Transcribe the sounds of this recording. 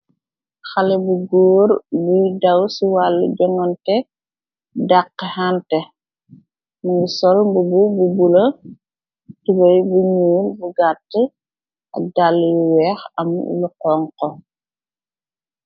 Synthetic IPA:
xɐlɛbuɡoːɾbudɐwsiwalːuɟɔŋɔntɛ | daqːhantɛ | muŋɡusɔlbubububulɐ | tubɐjbuɲuːlbuɡatːi | ʔɐ̰dalːjuwɛːxɐm̰luqɔŋkɔ

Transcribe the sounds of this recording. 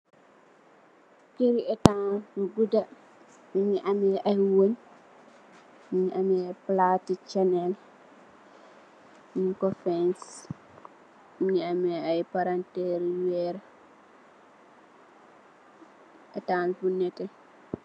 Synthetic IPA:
keɾiɛtanfuɡuda | miɲiʔamɛʔajwon | miɲiʔamɛplatit͡ʃanɛl | nikɔfɛns | miɲiamɛajpaɾantɛɾiwɛɾɛ | ʔɛtanbunɛtɛ

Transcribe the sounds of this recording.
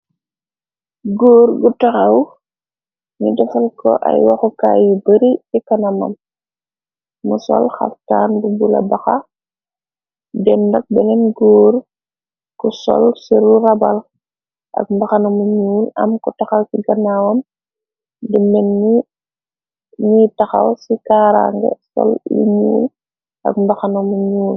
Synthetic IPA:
ɡoːɾɡutɐxɐw | ɲudɛfɐlkɔ̰ʔɐ̰jwɐxuka̰ːjubəɾiɛkɐnɐmɐ̰m | musɔ̰lxɐ̰ftaːnbubulɐ̰bɐxɐ | dɛndɐk̚bɛnɛnɡoːr | kusɔ̰lsiɾurɐbɐl | ʔɐ̰k̚mbɐxɐnɐmuɲuːlɐmkutɐxɐwsiɡɐnawɐm | dəmɛnːi | ɲitɐxɐ̰wsikaːɾa̰ŋɡə̰sɔ̰lḭɲuːl | ʔɐ̰kmbɐxɐnɐmuɲuːl

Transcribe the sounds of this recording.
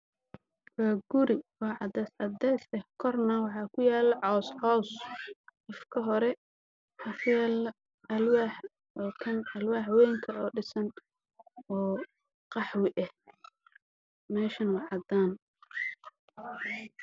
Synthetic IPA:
waːɡʊɾɪwɑʕɑd̪ɛsɑd̪ɛjsɛhkʰɔrnɐwɑħɑːkʰʊjaːlʕɔːsʕɔːsqɪfkʰɐɦɔɾɛ | hɐfjaːl | ɐlwaːħ | ɔːkʰɐnɐlwaːħwɛːŋkʰɐɔːɖɪsɐn | ɔː | qɑħwɪʔɛh | mɛːʃɐnwɑʕɑd̪aːn

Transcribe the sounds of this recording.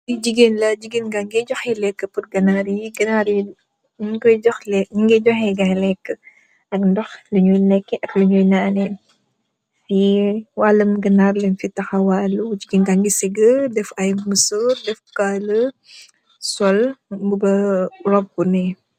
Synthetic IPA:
did͡ʒiɡenlɐd͡ʒiɡenɡaŋɡɛd͡ʒɔxɛlɛkːəput̚ɡɐnaɾiɡɐnaɾi | kɔjd͡ʒɔxlɛɲiŋɡɛd͡ʒɔxɛɡɐjlɛkːə | ʔɐkndɔxləɲujnɛkːɛʔɐkluɲujnaːnɛn | fiwaːləmɡɐnarlɛnfitɐxɐwaːlːud͡ʒiɡenɡaŋɡiseɡədɛfajmməsurdɛfkalə | sɔlɡubɐrɔp̚ːunɛ

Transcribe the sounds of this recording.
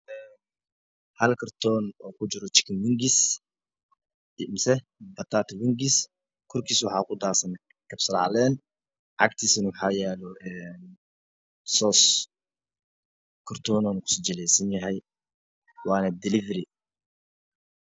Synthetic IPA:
ʔɛːn | hɐlkʰɐrt̪ʰɔːnɔːkʰʊt͡ʃɪɾɔt͡ʃɪ̥kʰɪnwɪŋɡɪs | mɪsɛ | bɐt̪ʰaːt̪ʰwɪŋɡɪs | kʰɔrkʰiːswɑħɑ̰ːkʰʊd̪aːsɐn | kʰɐb̥sɐɾɑ̰ʕlɛːn | ʕɑ̰kt̪ʰiːsɪnwʊħɑːjɛːlɔʔɛːn | sɔːs | kʰɐrt̪ʰɔːnɔːnɐkʰʊ̥sɔd͡ʒɐlɛjsɐnjɐɦɛj | wɑːnɐd̪ɪlɪfɾɪ

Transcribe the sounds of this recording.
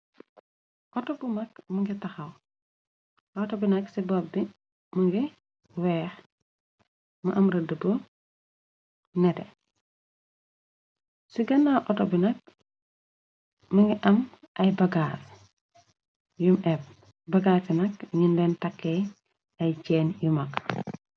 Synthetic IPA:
ʔɔtɔbumɐkmuŋɡitɐxɐw | ʔɔtɔbinɐksibɔbbi | muŋɡi | wɛːx | muʔɐmɾɐdəbo | nɛtɛ | siɡɐnːaʔɔtɔbinɐk̚ | mɐŋɡiʔɐm | ʔɐjbɐɡaːr | jumɛp̚ | bɐɡaːɾsinɐkɲinlɛːntɐkːɛ | ɐjt͡ʃɛːnjumɐk

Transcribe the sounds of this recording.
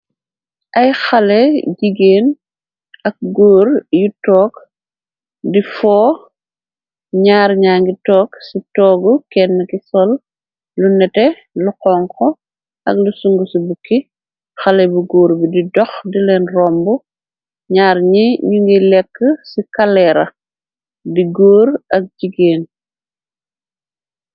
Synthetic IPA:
ʔɐjxɐlɛɟiɡeːn | ɐk̚ɡoːɾjutɔːk | difɔː | ɲaːɾɲaːŋɡitɔːksitɔːɡukɛnːəkisɔl | lunɛtɛ | luqɔŋkɔ | ʔɐ̰klusuŋɡusubukːi | xɐlɛbuɡoːɾbididɔxdilɛnrɔmbu | ɲaːɾɲiɲuŋɡilɛkːəsikɐlɛɾɐ̰ | diɡoːɾɐk̚d͡ʒiɡeːn

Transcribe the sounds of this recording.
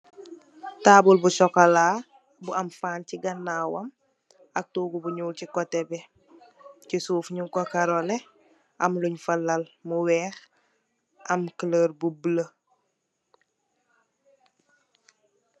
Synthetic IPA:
taːbulbusɔkalaː | buɐmfaːnciɡɐnːawɐm | ɐk̚tuːɡubuɲuːlcikɔtebe | cisuːfɲuŋkokaɾole | ɐmluɲfɐlːalmuwɛːx | ɐmkələːɾbublə

